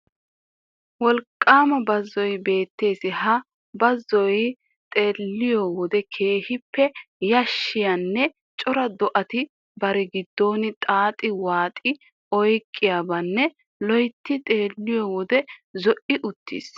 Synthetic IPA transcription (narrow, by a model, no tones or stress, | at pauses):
wɔlkʼːaːmɐbɐzːɔjbe̞ːt̪ːe̞ːsɪhɐ | bɐzːɔj | t̪ʼe̞ːlːɪjɔwɔd̪ɛkʰe̞ːhɪpːɛjɐʃːɪjɐnːɛ | t͡ʃʼɔɾɐd̪ɔʔɐt̪ɪ | bɐɾɛɡɪd̪ːo̞ːnɪt̪ʼaːt̪ʼɪwaːt̪ʼɪ | ɔjkʼːɪjabɐnːɛ | lɔjt̪ːɪt̪ʼe̞ːlːɪjɔwɔd̪ɛzɔʔɪʔʊt̪ːḭːs